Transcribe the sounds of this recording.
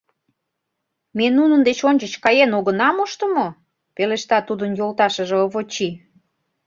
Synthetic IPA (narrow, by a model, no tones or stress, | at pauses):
menunənd̪et͡ɕonʲt͡ɕət͡ɕkɑjenoɣə̆nɑmoʃt̪ə̆mo | peleʃt̪ɑt̪ud̪ənjolt̪ɑʃə̆ʒeoβot͡ɕi